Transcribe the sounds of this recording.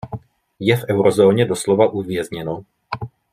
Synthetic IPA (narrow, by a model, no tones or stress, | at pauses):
jɛfʔɛwɾozo̞ːɲɛdo̞slo̞vaʔuvjɛzɲɛno